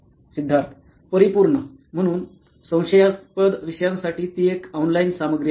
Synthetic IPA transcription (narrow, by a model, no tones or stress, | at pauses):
sid̪ʱːaɾt̪ʰ | pəɾipuɾɳə | m̤əɽ̃uːn | sə̃w̃ɕəjaspəd̪ʋiɕjãŋksaʈiːt̪iekawnlajnsaməɡɾi